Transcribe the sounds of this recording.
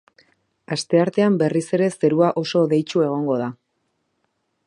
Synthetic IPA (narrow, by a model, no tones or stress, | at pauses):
ast̪e̞aɾt̪e̞ambe̞rise̞ɾe̞se̞ɾuaʔo̞so̞ðe̞jt͡ʃue̞ɣ̞o̞ŋɡo̞ð̞a